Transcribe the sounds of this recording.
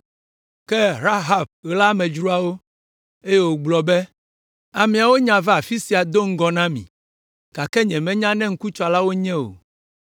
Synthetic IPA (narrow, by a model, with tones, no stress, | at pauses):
kɛ˦ɾa˦ɦa˨b̚ɣla˦mɛ̃˨d͡ʒɾu˦a˨wo˦ | e˦jɛ˨wo˨ɡ͡blɔ˨bɛ˦ | a˨mĩ˨a˨wo˦ɲã˨vɛ˦a˨fi˦si˨a˨d̪o˦ŋ̩˦ɡɔ˨nã˦mḭ̃˨ | ka˨kɛ˦ɲɛ̃˨mɛ̃˦ɲã˦nɛ̃˦ŋ̩˦ku˦t͡ʃɔ˦˨la˦wo˦ɲɛ̃˦o̰˨